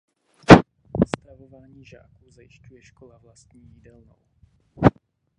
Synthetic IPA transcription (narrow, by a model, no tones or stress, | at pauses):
ost̪ɾavovaːɲiːʒa̰ːkuzajɪʃcujɛʃkolavlast̪ɲiːjidɛlno̰w